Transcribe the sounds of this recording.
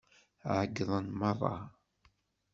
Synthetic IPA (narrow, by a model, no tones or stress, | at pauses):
ʕəɡðˤənmɑɾˤɑ̰